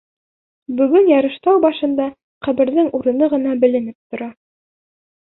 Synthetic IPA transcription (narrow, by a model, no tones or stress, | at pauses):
bɵ̆ɡɵnjɑɾɤ̆ʃt̪ɑwbɑʃɤ̆nd̪ɑ | qæβɘ̆ɾðɘŋʔuɾɤ̆nɤʁɤ̆nɑbɘ̆lɘ̆nɘp̚t̪ŏɾɑ